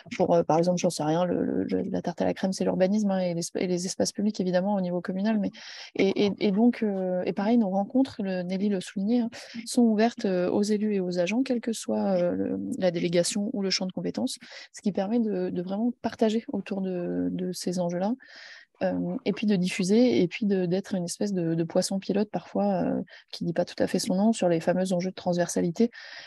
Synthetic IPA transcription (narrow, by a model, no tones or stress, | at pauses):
puʁøpaʁɛɡzɑ̃plʒɑ̃sɛʁjɛ̃lə̰lə̰lə̰la̰t̪aʁt̪a̰la̰kχɛmsɛly̰ʁbanis̬mɛ̃eleḛlezɛspaspyblikevid̪amɑ̃onivokɔmynalmɛeʔeʔed̪ɔ̃kʰøḛpaʁɛjnoʁɑ̃kɔ̃t̪χləneliləsuliɲeɛ̃sɔ̃uvɛʁt̪øo̰zelyeozaʒɑ̃kʲɛlkəswaølə̰lad̪eleɡasjɔ̃uləʃɑ̃d̪əkɔ̃pet̪ɑ̃sːə̥kʲipɛʁmɛd̪əd̪əvʁɛmɑ̃paʁt̪aʒeot̪uʁd̪əd̪əsezɑ̃ʒøla | ømepɥid̪əd̪ifyzeepɥid̪əd̪ɛt̪χynɛspɛs̬d̪əd̪əpwasɔ̃pilɔt̪̚paʁfwaø̰kʲʰid̪ipat̪u̥t̪afɛsɔ̃nɔ̃syʁlefamøzɑ̃ʒød̪ət̪χɑ̃zvɛʁsalit̪e